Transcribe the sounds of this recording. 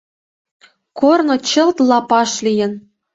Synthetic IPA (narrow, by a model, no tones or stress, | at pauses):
kornŏt͡ɕɤ̆lt̪lˠɑpɑʃlʲijɘ̆n